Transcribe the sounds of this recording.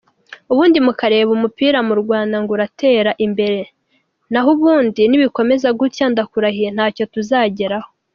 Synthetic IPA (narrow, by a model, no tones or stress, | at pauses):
uβuːndimukaɾe̞ːβumupiːɾamuɾɡwaːndaŋɡoɾate̞ːɾaʔimbe̞ɾe̞ | naɦuβuːndiniβiko̞me̞zaɡutjaːndakuɾahijen̥haːco̞tuzaːɟeɾaho